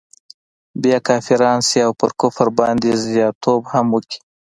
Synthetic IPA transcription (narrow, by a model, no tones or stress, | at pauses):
bjɑkɑfiɾɑnsiawpə̰ɾkʊfɾbɑnd̪ezjɑt̪ʰobhamwəkʰi̥